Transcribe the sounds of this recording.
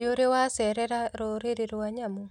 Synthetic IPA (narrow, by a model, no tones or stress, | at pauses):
oɾewasɛɾɛɾaɾoɾeɾeɾwaɲamɔ